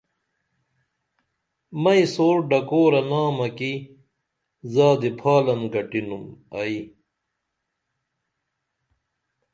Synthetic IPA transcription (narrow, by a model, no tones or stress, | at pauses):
mɐisoːɾɖɐkoːɾɐnaːmɐki | zaːd̪ipʰaːlɐnɡɐʈinumɐi